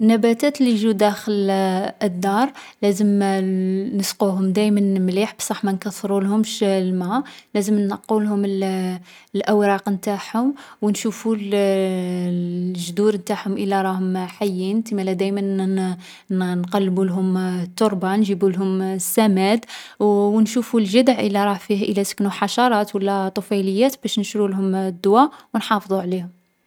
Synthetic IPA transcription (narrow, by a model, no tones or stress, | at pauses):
nːæbæt̪æt̪liʒud̪æxələd̪ːɑɾˤlæzəm | nəsquɦʊmd̪æjmənmliħbsˤɑħmænkɑsˤːɾulhʊmʃlmælæzəmnɑqːulɦʊml | lʔæwɾˤɑqnt̪aħhʊmwnʃuful | ʒd̪uɾnt̪aħhʊmʔəlːæɾˤɑhʊmħajːint̪imælæd̪æjmən | nqɑlːbulɦʊmt̪ːoɾˤbɑnʒəbulɦʊmsːæmæd̪wwnʃufulʒəd̪əʕʔə̰lːæɾˤɑfiʔəlːæsə̥knuħɑʃɑɾˤɑt̪wəlːæt̪ˤofɑjləjːæt̪bæʃnəʃɾulhʊmd̪ːʊwæwnħɑfd̪ˤuʕlihʊm